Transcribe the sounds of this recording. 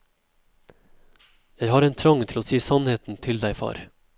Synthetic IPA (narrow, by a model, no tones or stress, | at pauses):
jæɪhɑːɾɛeːnt̪ʰɾɑŋt̪ʰɪloːsiːsɑnheːt̪n̩t̪ʰɪld̪æɪfɑ̰ːɾ